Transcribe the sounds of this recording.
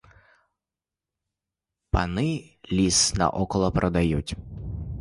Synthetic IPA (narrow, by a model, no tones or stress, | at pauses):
panɪlʲisnɐ̰ʔɔkɔlˠɔpɾɔd̪ajut͡sʲ